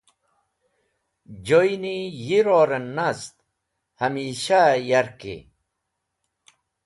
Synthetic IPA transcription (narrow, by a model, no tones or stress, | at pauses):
d͡ʑojnijiɾoɾənːast̪ | hamiːɕajaɾkḭ